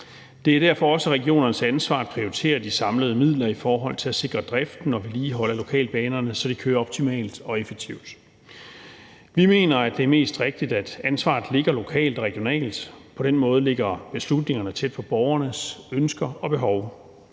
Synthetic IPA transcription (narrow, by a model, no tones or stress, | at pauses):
d̥e̝æɐɾ̥æɐ̰fɒ̽ɒ̽səʁɛɡio̝̰ːnɐnəsænsʋɑ̰̥̈ːpʰʁioit͡sʰe̝̰ːɐd̥isɑ̈mləð̞ˠmið̰ˠlɐifɒːɦɒ̽l̰t͡sʰe̝læse̝ɡ̥ʁɐd̥ʁafd̥n̩ːɒʋiliːɦɒ̽lɐlo̝kʰɛ̰ːlb̥ɛːnɐnəsɒ̽d̥ikʰøːɐɒ̽b̥̚t͡sʰimɛ̰ːld̥ɒ̽efeɡ̥̚t͡sʰiʊd̥ | ʋime̝̰ːnɐæd̥e̝æɐme̝̰ːsd̥ʁeɡ̥̚d̥id̥æd̥ænsʋɑ̰̈ːð̩ˠle̝ɡ̥ɐlo̝kʰɛ̰ːld̥ɒ̽ʁɛɡ̥ijo̝nɛ̰ːld̥pʰɒ̽d̥enmɔ̽ːð̞̩ˠəle̝ɡ̥ɐb̥e̝slud̥ne̝ŋɐnət͡sʰed̥̚fʰɒ̽b̥ɒʊɐnəsønsɡ̥ɐɒ̽b̥e̝ɦɒʊ